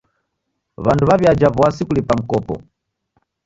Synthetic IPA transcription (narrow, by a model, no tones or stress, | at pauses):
βantʰuβaβjad͡ʒavɔwasikulipam̩kɔːpɔ̰